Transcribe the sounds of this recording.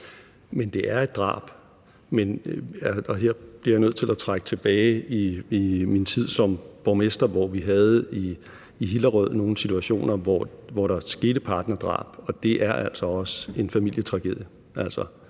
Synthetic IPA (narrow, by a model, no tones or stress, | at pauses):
mend̥e̝ʔæɐe̝d̥̚ʁɑ̰̈ːb̥ | men | ɒ̽ɦeɐ̰b̥liɐjnøð̰ˠt͡sʰe̝læt͡sʰʁaɡ̥ə̥t͡sʰe̝b̥ɛːɪiimint͡sʰið̰ˠsɒ̽mb̥ɒmesd̥ɐʋɒʋiɦæð̞ˠiː | ɦilɐʁœð̰ˠno̝ːn̩sit͡sʰuæɕo̝̰ːnɐʋɒʋɒɾ̥ɑ̈sɡ̥e̝ːɾ̥əpʰɑ̈ːd̥nɐd̥ʁɑ̰̈ːb̥ɒ̽d̥e̝ʔæɐʔæl̰sɒ̽ɒ̽səe̝nfæmil̰jət͡sʰʁɑ̈ɡ̥eð̰ˠjə | ʔæl̰sɒ